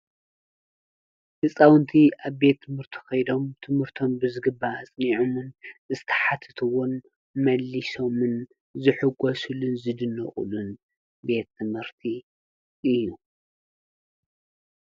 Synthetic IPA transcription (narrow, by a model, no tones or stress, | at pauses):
hɨsʼawnt̪ʰiʔaβbe̞t̪ʰːɨmhɨɾt̪ʰi̥xɐjd̪o̞mt̪ʰɨmhɨɾt̪ʰombɨzɨɡɨbːaːt͡sʼniʕomɨnɨzɨt̪ʰɐ̥ħat̪ʰɨ̥t̪ʰuwɔn | mɐlːiso̞mɨn | zɨħɨɡosulunzɨd̪ɨnːɨ̰χʼṵlun | be̞t̪ʰːɨmhɨɾt̪ʰi | ʔɨjːu